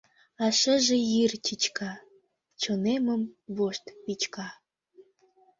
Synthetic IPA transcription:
ɑʃə̆ʒĕjirt͡ɕit͡ɕkɑ | t͡ɕonemə̆mβoʃt̪pit͡ɕkɑ

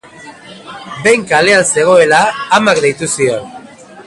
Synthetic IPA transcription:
be̞jŋkale̞anse̞ɣ̞o̞e̞laːmakd̪ejt̪usio̞n

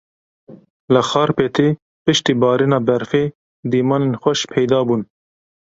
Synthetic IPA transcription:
ləxɑːɾpeːt̪eː | pɨʃt̪iːbɑːɾiːnɑːbɛɾfeː | d̪iːmɑːnenxʷɛʃpʰɛjd̪ɑːbuːn

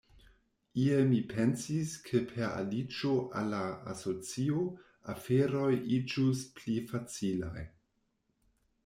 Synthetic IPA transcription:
iemipʰensiskʰepʰeɾa̰lid͡ʒoʔa̰laa̰so̞t͡sio | afeɾo̞jʔid͡ʒusplifat͡sila̰j

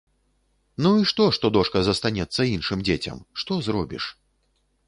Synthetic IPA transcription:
nuiʂt̪ɔʂt̪ɔd̪ɔʂkɐzɐst̪anʲɛt̪sːɐinʂɨmd͡zʲet͡sʲɐ̰mʂt̪ɔzɾɔbʲḭʂ

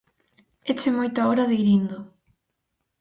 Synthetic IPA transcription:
et͡ʃemojt̪ʊaɔɾaðeɾind̪o

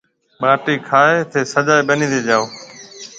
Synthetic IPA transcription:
ɓaːʈiːkʰaːet̪ʰeːsəd͡ʒaːeɓənĩːd̪eːd͡ʒaːoː

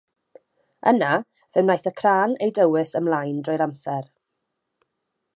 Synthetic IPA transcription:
ə̰na | vɛwnajθəkʰraːnejdəwɪsəmlˠajndrɔjɾamsɛr

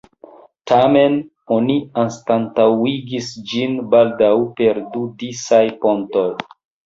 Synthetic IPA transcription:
tʰamen | o̞nianstantawiɡisd͡ʒinbaldawpeɾdudisajponto̞j

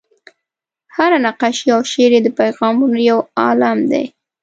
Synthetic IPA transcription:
haɾanaqaʃiawʃeɾed̪əpajɣɑmunojawɑ̰lamd̪ḛj

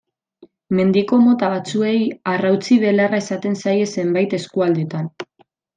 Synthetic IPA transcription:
me̞nd̪iko̞mo̞t̪aβat͡sue̞jarawt͡siβe̞larae̞sat̪e̞nsaje̞se̞mbajt̪e̞skuald̪e̞t̪an

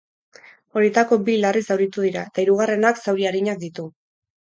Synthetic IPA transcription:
o̞ɾiet̪ako̞bilarisawɾit̪uðiɾaet̪aiɾuɣ̞are̞naksawɾiaɾiɲak̚d̪it̪u

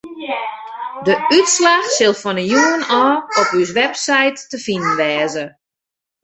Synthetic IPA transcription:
dəytslaxsɪlˠfɔnəjuənɔːɔpys̬ʋɛpsajtːəfinənʋɛːzə

